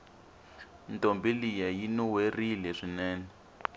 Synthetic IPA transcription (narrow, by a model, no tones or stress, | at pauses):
ntʼombilijajinuwerilɛʂinɛːnɛ